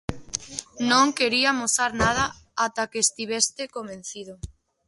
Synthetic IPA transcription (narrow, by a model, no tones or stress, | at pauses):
nõŋkeɾiamosaɾnað̞aat̪akeːst̪iβ̞est̪ekomẽnθiðo